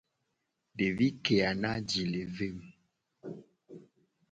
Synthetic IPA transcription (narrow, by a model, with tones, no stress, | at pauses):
de˨vi˦ke˨a˨na˦d͡ʒi˨le˨ve˦m˨